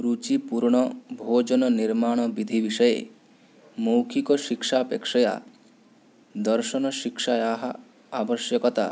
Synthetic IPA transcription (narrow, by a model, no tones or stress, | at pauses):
ɾut͡ʃipuɾɳ̃ɔbʱod͡ʒɔnɔniɾmaɽ̃ɔbid̪ʱibiʃɔjḛ | mowkʰikɔʃikʃaɔpekʃɔja̰ | d̪ɔɾʃɔnɔʃikʃajaɦa | abɔʃjɔkɔt̪a̰